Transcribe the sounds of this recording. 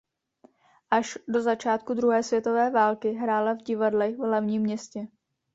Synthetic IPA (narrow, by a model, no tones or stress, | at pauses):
ʔaʃdo̞zat͡ʃaːt̪kudɾuɦɛːsvjɛt̪o̞vɛːvaːlkɪɦɾaːlavɟɪvadlɛvlɛvɲiːmːɲɛscɛ